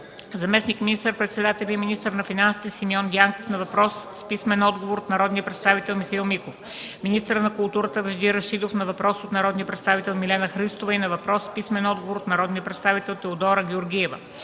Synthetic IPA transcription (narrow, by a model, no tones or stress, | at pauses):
zɐmɛsnikminist̪əɾpɾɛt̪sɛd̪at̪ɛlʲiəminist̪əɾnɐfinansi̥t̪ɛsimiɔnd̪ʲiaŋkofnɐvɐpɾɔsːpismɛnɔd̪ɡovoɾot̪nɐɾɔd̪niəpɾɛt̪st̪avit̪ɛlˠmixɐilˠmikof | minist̪əɾənɐkulˠt̪uɾət̪əvɐʒd̪iɾɐʃid̪ofnɐvɐpɾɔsot̪nɐɾɔd̪niəpɾɛt̪st̪avit̪ɛlˠmilɛnəxɾist̪ovɐinɐvɐpɾɔsːpismɛnɔd̪̚ɡovoɾot̪nɐɾɔd̪niəpɾɛt̪st̪avit̪ɛlˠt̪ɛod̪ɔɾəɡʲɛoɾɡʲiɛvə̰